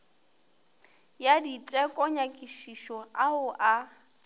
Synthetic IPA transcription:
jaditʼɛkʼɔɲakʼiʃiʃɔaʊʔa

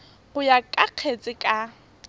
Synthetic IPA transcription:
ɣʊjakʼaq͡χʰet͡sʼɪkʼa

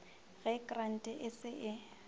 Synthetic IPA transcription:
ɣɛkʼran̩tʼɛʔɪsɪʔɪ

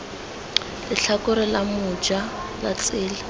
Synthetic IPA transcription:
lɪɬʰakʊɾɪlamʊ̥d͡ʒalat͡sʼɪːla

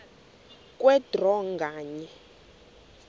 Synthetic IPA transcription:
kʼwɛd̥rɔŋɡaːɲɛ

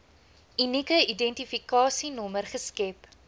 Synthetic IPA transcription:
inikəidɛntifikɑːsinɔmərχəskɛp

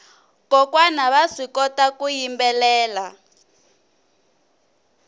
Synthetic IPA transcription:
kɔkwanaβaʂikɔtakujimbɛlɛːla

